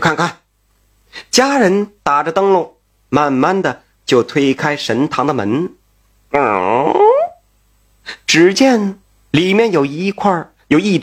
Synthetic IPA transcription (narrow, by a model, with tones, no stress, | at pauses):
kʰa˥˧nkʰa˥˩n | t͡ɕja˥ɻə˧˥nt̪a˨˩ʈ͡ʂə˦˧t̪ɤ˥ŋlo˥˩ | ma˥˩nma˥˩nd̪ə˨ | t͡ɕjo˥˩ʊt̪ʰwe˥ɪkʰa˥ɪʂə˧˥nt̪ʰɑ˧˥ŋd̪ə˧mə̰˧˥n˨˩ | ʈ͡ʂɻ̩˧˥t͡ɕjɛ˥˩n | li˨˩mʲjɛ˥˩njo˨˩ʊi˧˥kʰwa˥˩ | jo˨˩ʊi˥˩